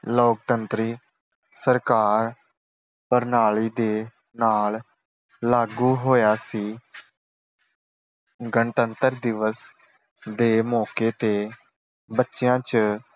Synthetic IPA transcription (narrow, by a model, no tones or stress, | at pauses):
loːk̚t̪ənt̪ɾiː | səɾkaːɾ | pəɾnaːɭiːd̪eː | naːl | laːɡuːɦoːjaːsiː | ɡəɳt̪ənt̪əɾd̪ɪʋəs | d̪eːmɔːkeːt̪eː | bətːʃjãːt͡ʃ